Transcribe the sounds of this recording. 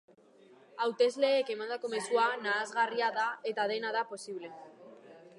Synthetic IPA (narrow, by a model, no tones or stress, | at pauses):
awt̪e̞zle̞ːkemand̪ako̞me̞suanaːzɣariaðae̞t̪að̞enaðapo̞siβ̞le̞